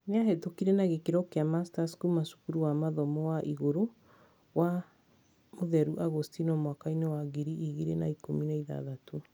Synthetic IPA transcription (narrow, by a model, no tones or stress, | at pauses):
neaɦetokiɾɛnaɣekeɾɔkeamastaskumasu̥kuɾuwamaðɔmɔwaʔiɣoɾo | wa | moðɛɾuʔaɣostinɔmwakainewaɡiɾiʔiɣiɾena̰ikominaiða̰ðatu